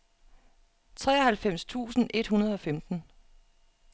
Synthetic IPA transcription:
t͡sʰʁɛ̰ːɒhælfem̰st͡sʰṵːsn̩ʔe̝d̥hunɐð̞ˠɒ̽femd̥n̩

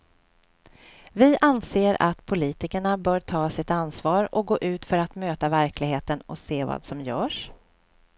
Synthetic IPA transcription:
vɪʔanseːɾʔa̰t̪pʰʊliːt̪ɪkəɳabœːʈʰɑːsɪt̪ansvɑːɾɔ̰k̚ɡoːʔʉ̟ːt̪fœɾat̪møːt̪avæɾklɪɡheːt̪ənɔseːvɑ̰ːd̪sɔmjœːʂ

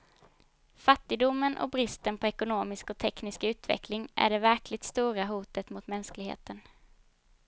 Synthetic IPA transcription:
fat̪ːɪɡd̪ʊmːənʔɔ̰bɾɪst̪ənpʰɔɛkʊnoːmɪskɔt̪ʰɛknɪskʉ̟ːt̪vɛ̰klɪŋæ̰ɖɛvæɾklɪɡ̚t̪st̪uːɾaɦuːt̪ət̪mʊt̪mɛnsklɪɡhḛːt̪ən

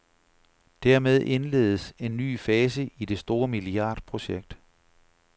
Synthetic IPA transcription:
d̥æɐ̰með̞ˠʔe̝nle̝̰ːð̞ˠəse̝nːy̰ːfɛːs̬əʔid̥e̝sd̥o̝ːɐmiliɑ̰̈ːd̥pʰʁo̝ɕeɡ̥̚d̥

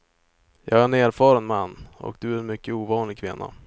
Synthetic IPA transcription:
jɑːɡæɾɛneːɾfɑːɾənmanːɔ̰kd̪̥ɵæɾɛnmʏkːəuːvɑːnlɪɡ̚kʰvɪnːa̰

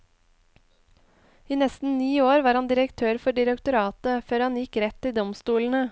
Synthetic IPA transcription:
iːnɛst̪n̩niːoːɾʋɑːɾhɑnd̪ɪɾəkt̪ʰøːɾfɔɖɪɾəkt̪ʊɾɑːt̪əføːɾhɑnjɪkɾɛt̪ːiːd̪ɔmst̪uːln̩ə

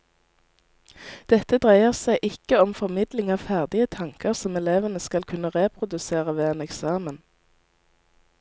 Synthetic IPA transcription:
d̪̥ɛt̪əd̪ʁæɪəʁsæɪʔɪkəɔmfɔʁmɪd̪lɪŋɑːʋfæʁd̪ɪət̪ʰɑŋkəʁsɔmɛleːʋənəskɑlkʰʉnəʁeːpʰʁʊd̪ʉseːʁəʋeːeːnɛksɑːmən

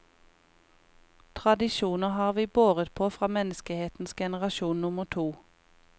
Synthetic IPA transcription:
t̪ʰʁɑd̪ɪʃuːnəhɑːʁʋiːboːʁət̪pʰoːfʁɑːmɛnəskəheːt̪n̩sɡɛnəʁɑʃuːnnʊməʁt̪ʰuː

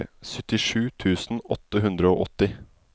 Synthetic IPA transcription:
sœt̪ɪʂʉːt̪ʰʉːsn̩ɔ̰t̪əɦʉnd̪ɾəo̰ːʔɔt̪ɪ

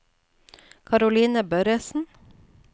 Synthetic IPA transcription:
kʰɑɾʊliːnəbœɾəsn̩

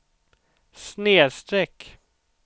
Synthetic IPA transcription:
sneːst̪ɾɛkː

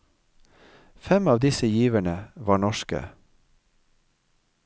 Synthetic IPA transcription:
fɛmɑːʋd̪ɪsəjiːʋəɳəʋɑːɳɔʃkə̰

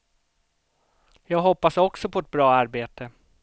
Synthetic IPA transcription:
jɑːɡɦɔpːasɔksɔpʰɔɛt̪̚bɾɑːaɾbeːt̪ə

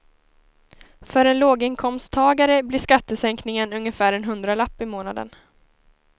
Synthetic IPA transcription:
fœɾɛnloːɡɪnkʰɔmst̪ʰːɑːɡaɾəblɪʂkat̪ːəsɛŋknɪŋənɵŋjəfæːɾɛnɦɵnd̪ɾalapːɪmoːnad̪ə̰n

